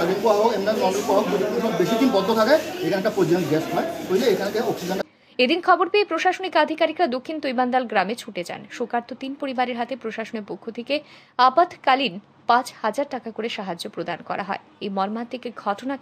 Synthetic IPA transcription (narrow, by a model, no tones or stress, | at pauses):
aɾinpuaɦokemannɔŋɾipuaɦok̚pot̪ikʰːonʃɔbbeʃid̪inbɔd̪ʱːot̪ʰakaeekʰanɛk̚ʈapɾod͡ʑoẽʈɡɛsɔepoɦileekʰanekeoksid͡ʑan | ed̪inkʰɔboɾpeejpɾoʃaʃonikad̪ʱikaɾikɾad̪okʰːint̪ojband̪alɡɾamet͡ɕʰuʈed͡ʑa̰nʃokaɾt̪ot̪inpoɾibaɾeɾɦat̪epɾoʃaʃoneɾpokʰːot̪ʰeke | apat̪ʰkalin | pãt͡ɕhad͡ʑaɾʈakakoɾeʃaɦad͡ʑːopɾod̪ankɔ̰ɾa̰ɦɔ̰e | ejmɔɾmat̪ʰekeɡʱɔʈona